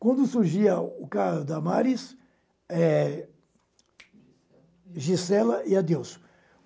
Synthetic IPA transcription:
kwɐ̃nd̪ʊsuɾʒiɐʊkaɦʊd̪ɐmaɾis | ɛ | ʒisɛlɐiɐd̪ews

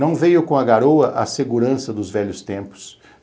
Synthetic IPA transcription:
ɐ̃w̃vejʊkõɐɡaɾowɐʔɐseɡuɾɐ̃sɐd̪ʊzvɛʎʊst̪ẽmpʊ̥s

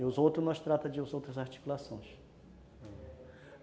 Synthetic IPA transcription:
ɪʊzowt̪ɾʊnɔst̪ɾat̪ɐd͡ʒɪʊzowt̪ɾɐzaɾt͡ʃi̥kulasõj̃s

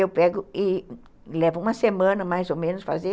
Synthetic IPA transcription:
ewpɛɡʊɪ | lɛvʊũmɐsemɐ̃nɐmajzomẽnʊsfa̰ze

